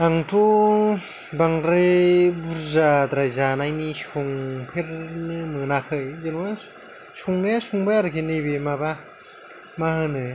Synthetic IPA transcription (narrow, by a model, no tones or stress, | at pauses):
aŋtʰo | baŋɾebuɾzad̪ɾajzanajnisuŋpʰeɾnɯmɯnakʰɯjzenwa | suŋnajasuŋbajaɾɯkʰenɯbemaba | mahɯnɯ